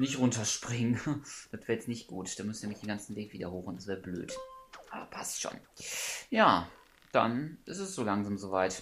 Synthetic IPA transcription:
nɪçtʁʊntɐʃpʁ̥ɪŋənd̥atv̥ɛːɐjɛt͡snɪçt̚ɡ̥ṵːtd̥aːmʏsniɐmɪçdeːnɡant͡sn̩veːkv̥iːdɐhoːxʊntd̥asv̥ɛːɐblø̰ːtʔaːbɐ̰pʰastʃo̰ːnjaː | d̥a̰nʔɪstɛsz̥oːlaŋzaːmzovaɪt

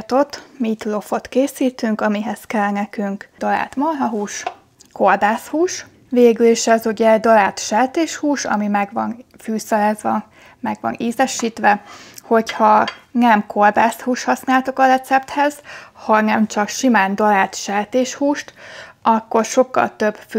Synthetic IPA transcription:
t̪o̞t̪mit̪lo̞fo̞t̪keːsiːt̪yŋkɒmiɦɛskɛlnɛkyŋkd̪ɒla̰ːt̪molɦɒɦuːʃ | ko̞rb̪aːshuːʃ | veːɡyliʃɛzuɟɛd̪ɒlaːt̪ʃɛːt̪eːʃhuːʃɒ̰mimɛɡʋɒn | fyːsɛlɛzʋɛ | mɛɡʋɒ̰niːzɛʃiːt̪ʋɛho̞chɒnɛmko̞rbaːshuːʃhɒsnaːlt̪okɒɾɛt̪sɛp̚t̪hɛz̥hɒnɛmt͡ʃɒkʃimaːnd̪ɒlaːt̪ʃɛːt̪eːʃhuːʃt̪ʔɒkːo̞rʃo̞kːɒ̰lt̪øb̥f

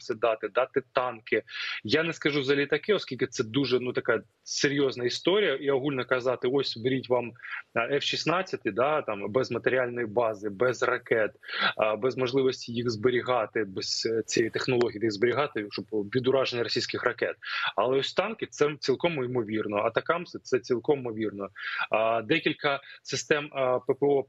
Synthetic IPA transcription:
sʲɛd̪ɑt̪ɪd̪ɑt̪ɪt̪ɑnkɪjanɛskɐʒuzɐlʲit̪ɐkɪɔskʲilʲkɪt̪sɛd̪uʐɛnut̪ɐkɑjɐ | seɾʲjɔznɐist̪ɔɾʲijɐʔiɔɦulʲnɔkɐzɑt̪ɪɔsʲbeɾʲitʲʋɑmɛfʃisnɑt͡sʲːɐt̪ɪd̪ɑt̪ɑmbɛzmɐt̪eɾʲɪalʲnɔjibɑzɪbɛzrɐkɛt̪bɛzmɔʐlˠɪʋɔsʲtʲijixzbeɾʲiɦɑt̪ɪbɛst͡sʲɛjit̪exnɔlˠɔɦʲid̪iɣzbeɾʲɪɦɑt̪ɪʃɔbʋʲid̪ʊɾɑʒenʲːɐɾɔsʲijsʲkɪxrɐkɛt̪ɐlˠɛɔsʲt̪ɑnkɪt̪sɛt͡sʲilˠkɔmʊimɔʋʲirnɔɐt̪ɐkɑmsɪsɛt͡sʲilˠkɔmmɔʋʲirnɔ | d̪ɛkʲilʲkɐsɪst̪ɛmpepeɔ

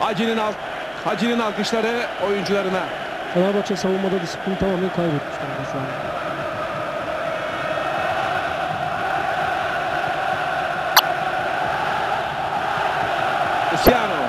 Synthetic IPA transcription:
ad͡ʒinina | had͡ʒininalˠkɯʃlˠaɾɯo̞jund͡ʒulˠaɾɯna | sʰanaɾbat͡ʃasavunˠmad̪ad̪isɯ̥p̚t̪int̪ʰamaːmænkʰajbet̪̚mi̥ʃt̪aɾd̪asaɾa | usijano

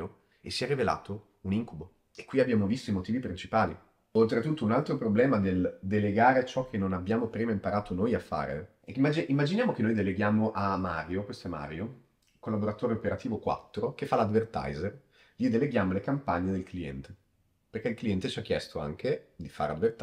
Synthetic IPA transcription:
o | esːiɛrivela̰ːt̪o | uniŋkubo | ekːwiabːjaːmovist̪oimot̪iːvipɾint͡ʃipaːli | olt̪ɾet̪ut̪ːounalt̪ɾopɾoblɛːmad̪eld̪eleɡaːɾet͡ʃɔkʰːenːonabːjaːmopɾiːmaimpaɾaːt̪ʰonojafa̰ːɾḛ | mad͡ʒimːad͡ʒinjaːmok̟enːojd̪eleɡjaːmoʔamaːɾjokwest̪oɛma̰ːɾjo | kolːaboɾat̪oːɾeopeɾat̪iːvokwa̰t̪ːɾokefːalad̪vert̪a̰jzer | ʎid̪eleɡjaːmolekampaɲːed̪elkliɛ̰nt̪e̥ | perkeilkliɛnt̪et͡ʃiak̟ːjɛst̪oa̰ŋked̪ifa̰ɾea̰d̪vert̪

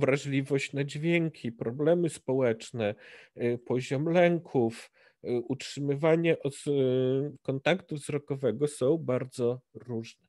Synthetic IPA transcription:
vɾaʐlʲivɔɕt͡ɕnad͡ʑvʲjɛŋkʲʰipɾɔblɛmɘspɔwɛt͡ʂnɛ | pɔʑɔmlɛŋkʰuf | ʔutʂɘmɘvaɲɛʔɔ | kɔnt̪akt̪uvzɾɔkɔvɛɡɔsɔ̃w̃baɾd̪zɔɾuʐnɛ

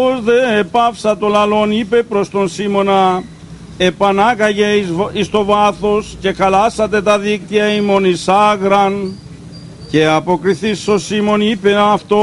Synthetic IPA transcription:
ozðepɐfsɐt̪olɐlo̞nipe̞pɾo̞st̪o̞nsimo̞nɐ | e̞pɐnɐkɐʝe̞ist̪o̞vɐθo̞sce̞xɐlɐsɐt̪̬e̞t̪ɐðik̚t̪iɐimo̞nisɐɣɾɐn | ce̞ɐpo̞kɾiθist̪o̞nsimo̞nipeɐft̪o

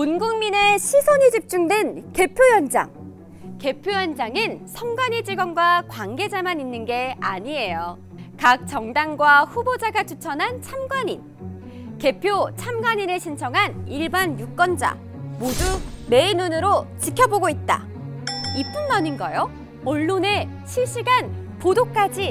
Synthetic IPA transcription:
unɡuŋmine̞ɕʰisʰoɲid͡ʑip̚t͡ɕ͈uŋdwe̞nke̞pʰjojʌnd͡ʑa̰ŋ | ke̞pʰjojʌnd͡ʑaŋɯnsʰʌŋɡwaɲid͡ʑiɡʌnɡwakwaŋɡe̞d͡ʑamaninːɯnɡe̞aɲie̞jo | kak̚t͡ɕ͈ʌŋdaŋɡwaɸubod͡ʑaɡat͡ɕʰut͡ɕʰʌnɦant͡ɕʰamɡwaɲin | ke̞pʰjot͡ɕʰamɡwaɲineɕʰint͡ɕʰʌŋɦaniɭbanjuk̚k͈ʌnd͡ʑa̰ | modume̞inunɯɾot͡ɕikʰjʌboɡoit̚t͈a̰ | ip͈unmʌninɡʌjo | ʌɭːone̞ | t͡ɕʰiɭɕ͈iɡan | podok͈ad͡ʑi

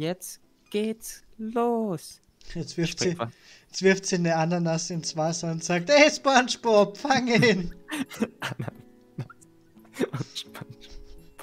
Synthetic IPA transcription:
jɛt͡s | ɡ̥eːtsloːs | jɛt͡svɪɐfsi | ɛt͡sv̥ɪɐftsiːnəandɐnasɪnsv̥aːsaʊntz̥aːk̚tɛɪspanʃpɔpfaŋən | na | ʃpan

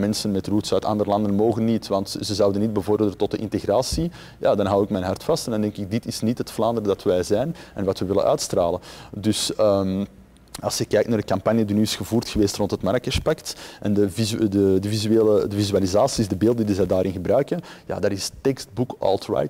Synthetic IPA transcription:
mɛnsənmɛtrutsœːtɑ̰ndəɾəlɑndənmoːɣənːitʋɑntzəzɑwdənːid̚bəvɔrdələntɔt̚dəʔɪ̰nteɣraːsi | ja̰ːdɑnɦɑwɪkmɛnɦɑrtfɑstɛndɑndɛŋkɪɡ̚dɪtɪsnitɦətflaːndəɾədɑtʋɛjzɛjnɛnʋɑtʋəʋɪlə̰nʔœ̰ːtstraːləndʏsəm | ɑlˠsjəkːɛːktnaːrdəkɑmpanjədinyːɪsxəvuːrtxəʋeːstrɔntɦətmaɾkəspɛktʔɛndəvizdədəvizyeːlədəvizyalizaːsizdəbeːlˠdəndizɛdaːɾʔɪnɣəbɾœɥkənja̰ːdaːɾɪstɛkst̚bukɔ̰lˠtɹa̰j

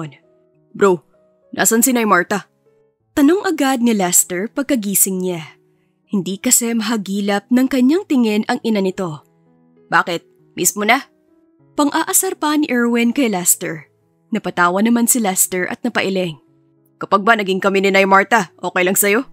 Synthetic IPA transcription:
n | bɾow | nʔa̰sɐnsɪnɐjmaɹt̪ɐ | t̪ɐno̞ŋʔɐɡad̪̚ŋɐlɛst̪ɛɹpɐɡ̚kɐɡiːsɪŋɲa | hɪnd̪ikɐsɛmɐɦɐɡiːlɐp̚nɐŋkɐɲjaŋt̪ɪŋɛnɐŋʔɪnanɪt̪o̞ | baːkɪt̪̚ | mismonɐ | pɐŋʔaʔɐsɐɾpanɪʔɛɹwɪnkɐjlɛst̪ɛɹ | nɐpɐt̪aːwɐnɐmansɪlɛst̪ɛɹʔɐ̰t̪̚nɐpɐʔɪlɛŋ | kɐpɐɡ̚banɐɡɪŋkɐminɪnɐjmaɹt̪ɐʔo̞ːkɛjlɐŋsɐjo̞

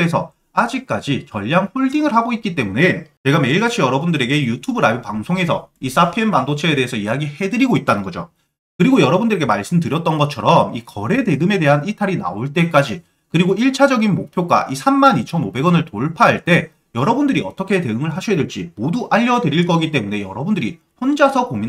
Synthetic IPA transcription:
esʰʌ | ad͡ʑik̚k͈ad͡ʑit͡ɕʌʎːaŋɸoɭdiŋɯɭhaɡoit̚k͈it͈e̞mune̞t͡ɕe̞ɡame̞iɭɡat͡ɕʰijʌɾʌbundɯɾe̞ɡe̞jutʰubɯɾajopaŋsʰoŋe̞sʰʌis͈apʰenmandot͡ɕʰeedeɦesʰʌijaɡihe̞dɯɾiɡoit̚t͈anɯnɡʌd͡ʑo̰ | kɯɾiɡojʌɾʌbundɯɾe̞ɡe̞maɭs͈ɯmdɯɾjʌt̚t͈ʌnɡʌt̚t͡ɕʰʌɾʌmikʌɾe̞de̞ɡɯme̞de̞ɦanitʰaɾina̰oɭt͈e̞k͈ad͡ʑi | kɯɾiɡoiɭt͡ɕʰad͡ʑʌɡinmok̚pʰjoɡa̰ʔisʰamːanit͡ɕʰʌnobe̞ɡʌnɯɭtoɭpʰaɦaɭt͈e̞ | jʌɾʌbundɯɾiʌ̰t͈ʌkʰe̞te̞ɯŋɯɭɦaɕʰiedeɭt͡ɕ͈imoduʔaʎːʌdɯɾiɭk̬͈ʌɡit͈e̞mune̞jʌɾʌbundɯɾi | ɸond͡ʑasʰʌkomin

